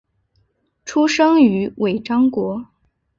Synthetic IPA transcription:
ʈ͡ʂʰu˥ʂɤ˥ŋy˧˥wʔe˨˩ɪʈ͡ʂɑ˥ŋkwɔ˧˥

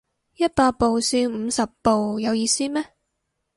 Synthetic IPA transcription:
jɐ˥t̚paː˧t̚po˨wsiː˧nm̩ː˨˧sɐ˨pːo˨wjɐ˨˧wjiː˧siː˥mɛː˥

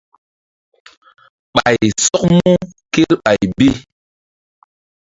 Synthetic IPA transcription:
ɓa̰˨jsɔ˦k̚mu˦ke˦lɓa˨jbi˦

